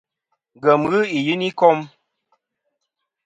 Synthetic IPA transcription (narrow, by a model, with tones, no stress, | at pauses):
ɡə˨mɣɨ˦i˨ji˦ni˦kɔ˦m